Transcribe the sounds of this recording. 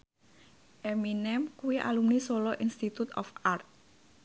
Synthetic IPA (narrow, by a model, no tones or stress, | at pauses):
ʔeminɛmkuwiʔa̰lumnisolɔʔinst̪it̪ut̪ɔ̰fart̪̚